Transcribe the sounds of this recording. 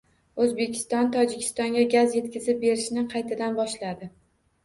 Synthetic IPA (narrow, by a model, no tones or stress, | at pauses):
ɵzbe̞kʲʰɪ̥st̪ɒnt̪ʰɒd͡ʒɪkʲʰɪ̥st̪ɒŋɡʲaɡʲazje̞t̪̚kʲɪzɪp̚be̞ɾɪʃnɪqʰɑjt̪ʰad̪anbɒʃlad̪ɪ